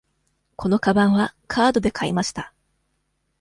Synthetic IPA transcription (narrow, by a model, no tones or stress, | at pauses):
kʰo̞no̞kabãɰ̃βakʰaːd̪o̞d̪e̞kʰaimaɕi̥t̪a